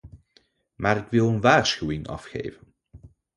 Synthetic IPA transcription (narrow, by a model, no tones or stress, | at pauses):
maːɾɪkʋɪlˠənʋaːrsχywɪŋɑ̰fχḛːjvən